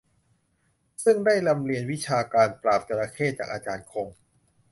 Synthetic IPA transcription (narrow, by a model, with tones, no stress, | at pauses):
sɯ˥˩ŋdaː˥˩jla˧mli˧ənwi˦˥t͡ɕʰaː˧kaː˧npɾaː˨˩p̚t̪a˧la˧kʰeː˥˩t̪̚t͡ɕaː˨˩k̚ʔaː˧t͡ɕaː˧nkʰo˧ŋ